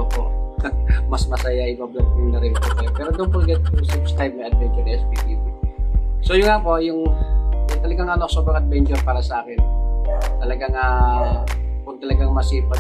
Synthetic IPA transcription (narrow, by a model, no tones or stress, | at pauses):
ʔoːpo̰ʔ | mɐsmɐsɐjaʔɪbablɐt̪̚kʊŋnɐɾɪnp̪okɐjopɛːɾod̪ompolɡɛt̪sɛmst̪ajb̚nɐjʔɐd̪̚vɛnt͡ʃʊɾnɐʔɛspit̪iːbisojʊŋapo̞jʊŋʊt̪ɐlɐɡaŋʔanoksobɾɐŋʔɐd̪̚bɛnt͡ʃʊɾpaːɾɐsɐʔaːkɛnt̪ɐlɐɡaŋa | pʊɡ̚t̪ɐlɐɡaŋmɐsiːpɐ